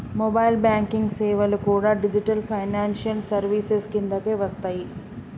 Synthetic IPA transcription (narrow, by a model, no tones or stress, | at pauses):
mɔbaːjlbjaːŋkiŋɡseːʋɐlukuːɽaːɖid͡ʒiʈɐlpʰɐjnaːnʃɐlsɐɾʋiseskind̪ɐkeːʋɐst̪aːji